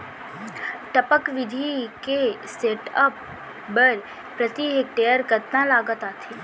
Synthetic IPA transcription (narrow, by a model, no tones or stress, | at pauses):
ʈəpəkʋɪd̪ʱikeseʈəp̚ | bəɾ | pɾət̪iɦek̚ʈejəɾkəɾt̪nãlaːɡət̪aːt̪ʰi